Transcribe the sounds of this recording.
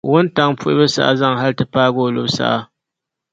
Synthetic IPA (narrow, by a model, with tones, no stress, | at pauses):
wʊ˦nta˨ŋpʊ˦ʔɪ̰˦bɨ˦sa̰˦ʔa˦za˦˨ŋɦa˦ltɨ˦paː˦ɡoː˦˨lʊ̰˦bsa̰˦ʔa˦